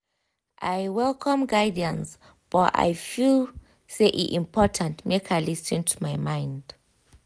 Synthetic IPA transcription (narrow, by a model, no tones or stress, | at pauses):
ʔajwɛlkʰɔ̃mɡajdiãns | b̥aa̰jfil | seʔḭʔĩmpʰɔtʰãntmekʰalisĩntʰumajmãjnd